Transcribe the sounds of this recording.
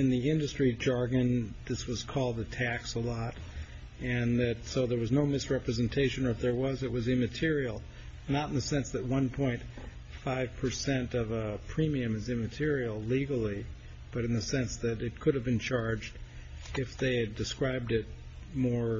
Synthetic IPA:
ɨ̃nðiɪ̃ndɨstɹ̥id͡ʒɑɹɡɨ̃nðɪswʌz̥kʰɔlˠd̪̚ɨtʰæksəlɔɾ | ɨ̃nðɨtsoʊðə˞wʌznoʊmɨsɹɛpɹɨzɨ̃ntʰeɪʃɨ̃nə˞fðə˞wʌzɨt̚wʌzɨ̃mɨtʰɪɹil̩ˠ | nəɾn̩ðɨsɛ̃nsðɨt̚wʌ̃npʰɔ̃ɪ̃nt | faɪv̥pʰə˞sɛ̃ntʌvəpʰɹ̥ĩmiɨ̃mɨzɨ̃mɨtʰɪɹil̩ˠliɡl̩ˠi | b̥ʌɾɨ̃n̩ðɨsɛ̃nsðɨɾɨt̚kʰʊɾɨvbɨ̃nt͡ʃʰɑɹd͡ʒd | ɪfðeɪɨdɨskɹaɪb̚dɪt̚ | mɔɹ

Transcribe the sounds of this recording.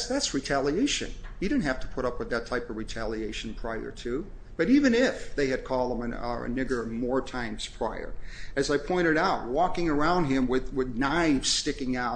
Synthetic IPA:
sðætsɹitʰælˠieɪʃɨ̰̃njɨdɪdⁿn̩thæftʰə̥pʰʊɾʌpwɨðɨtʰaɪpʌvɹitʰælˠieɪʃn̩pʰɹ̥aɪə̰˞tʰʉ | b̥ʌɾivɨ̃nɪfðeɪɨd̚kʰɔlˠd̚ə̃mɨɨ̰nɪɡə˞mɔɹtʰãɪ̃mz̥pʰɹ̥aɪə̰˞ɨzaɪpʰɔ̃ɪ̃ɾ̃ɨɾaʊt̚wɔkɪ̃ŋə˞ãʊ̃nd̚ɪ̃mwɪðwɪðnaɪvz̥stɪkɪ̃ŋaʊ

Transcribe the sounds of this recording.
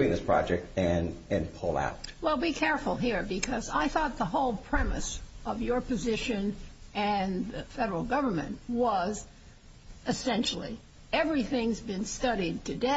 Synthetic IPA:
ĩnðɪspʰɹ̥ɑ̰d͡ʒɛk̚tɨ̃nɨ̃npʰʊlˠa̰ʊt̚wɛlˠbikʰɛɹfl̩ˠɦiɹbɨkʰʌza̰ɪθɔt̪̚ðəɦoʊlˠpʰɹ̥ɛmɨ̰sʌvjə˞pɨzɪʃɨ̃nɨ̃nðɨfɛɾə˞l̩ˠɡʌvə˞mɨ̰̃nʔwʌz | ɨsɛ̃nʃl̩ˠḭ | ɛvɹiθɪ̃ŋzbɨ̃nstʌɾid̚tʰɨde

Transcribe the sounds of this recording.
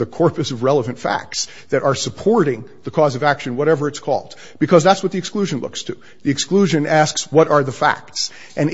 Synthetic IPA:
ðɨkʰɔɹpɨsʌvɹɛlˠəvɨ̃ntfæ̰k̚ts | ðɨɾʔə˞səpʰɔɹɾɪ̃ŋðəkʰɔzʌvækʃɨ̃nwʌɾɛvə˞ɨtskʰɔ̰lˠd̚ | b̥ɨkʰʌzðætswʌt̪̚ðiɨksklʉʒɨ̃nlʊ̰kstʰɨ | ðiɨkskluʒɨ̃nʔæskswʌɾə˞ðəfæ̰k̚ts | ʔɨ̃n

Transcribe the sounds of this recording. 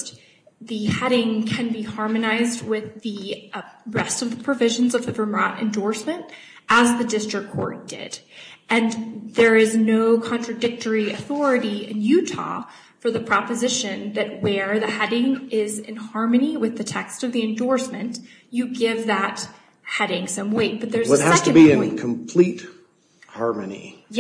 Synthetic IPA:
t | ðɨhɛɾɪ̃ŋkʰɨ̃nbihɑɹmɨnaɪzd̚wɪði | ɹɛstʌvðəpʰɹ̥ɨvɪʒɨ̃n̩zʌvðɨbə˞mɹɑɾɨ̰̃ndɔɹsmɨ̃nt | əzðɨdɪstɹ̥əkʰːɔ̰ɹd̥ɪ̰dɨ̃nðə˞ɪznoʊkʰɑ̃nt͡ʃɹ̥ɨdɪk̚tə˞iɨθɔɹɨɾiɪ̰̃njʉɾʰɑ̰ | fə˞ðɨpʰɹ̥ɑpɨzɪʃɨ̃nðɨt̚wə˞ðɨhɛɾɪ̃ŋɪzɪ̰̃nhɑɹmɨniwɨðɨtʰɛkstʌvðiɨ̃ndɔɹsmɨ̃nt | jɨɡɪvðət̚ | hɛɾɪ̃ŋsʌ̃mweɪt̚b̥ʌt̪̚ðə˞zʌt̚hæstɨbiɨ̃nkʰə̃mpʰl̥it̚ | hɑɹmɨnḭ | j

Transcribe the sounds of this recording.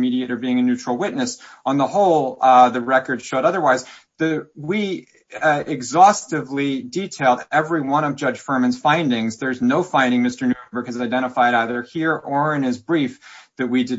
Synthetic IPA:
miɾieɪɾə˞biɪ̃ŋɨnʉt͡ʃɹ̥l̩ˠwɪtⁿnɨs | ə̃nðəhoʊlˠðɨɹɛkə˞d̥ʃoʊɾʌðə˞waɪz | ðɨwi | ɪɡzɔstɨvliditʰeɪlˠdɛvɹiwʌ̃ñʌvd͡ʒʌ̥ʒ̥fɜ˞mɨ̃nz̥fãɪ̃ndɪ̃ŋzðə˞znoʊfãɪ̃ndɪ̃ŋmɪstə˞nʉbə˞kɨzaɪdɛ̃ɾ̃əfaɪɾaɪðə˞hiɹə˞ɨ̃nɨzbɹifðɨt̚widɨ

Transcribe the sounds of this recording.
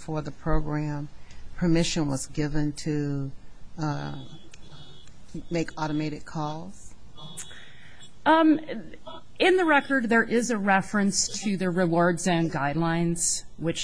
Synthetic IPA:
fə˞ðəpʰɹ̥oʊɡɹæ̃mpʰə˞mɪʃɨ̃nwʌzɡɪvɨ̃ntʰɨ | meɪkʰɔɾəmæɪɾɨkʰɔlˠz̥ | ɪ̃nðɨɹɛkə˞d̪̚ðə˞ʔɪzɨɹɛfɹɨ̃nstʰɨðɨɹɨwɔɹdzɨ̃nɡaɪdˡlãɪ̃nz̥wɨt͡ʃ

